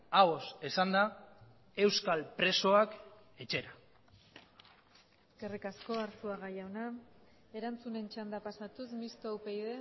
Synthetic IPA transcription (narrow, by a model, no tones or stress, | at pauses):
aβo̞sesand̪a | e̞wskalpɾe̞so̞ak | e̞t͡ʃe̞ɾa | kerikasko̞aɾsuaɣajawna | e̞ɾant͡sune̞nt͡ʃand̪apasat̪usmist̪oawpejðe̞